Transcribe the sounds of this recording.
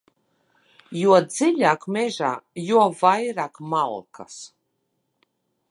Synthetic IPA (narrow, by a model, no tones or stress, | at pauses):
juɔd̪ziʎʲaːkmʲɛʒaːjuɔvajɾaːkmalˠkʰa̰s